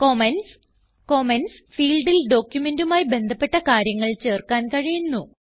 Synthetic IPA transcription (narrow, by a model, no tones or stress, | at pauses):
komens | komens | fiːlɖilɖo̞ːkjume̞ndumaːjibe̞nd̪ʱɐpːe̞ʈːɐkaːɾjɐŋːɐɭt͡ɕe̞ːrkaːnkɐɻijunːu